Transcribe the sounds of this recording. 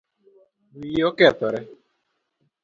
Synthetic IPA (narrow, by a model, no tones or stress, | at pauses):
miokeat̪ɔɾe